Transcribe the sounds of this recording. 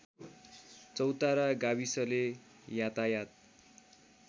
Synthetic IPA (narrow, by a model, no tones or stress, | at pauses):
t͡sʌwt̪aɾaɡaβisʌle | jat̪ajat̪̚